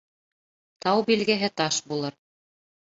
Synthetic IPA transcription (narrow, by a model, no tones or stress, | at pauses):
t̪ʰɑwbilɡɘɦɘt̪ɑʃbulˠɤɾ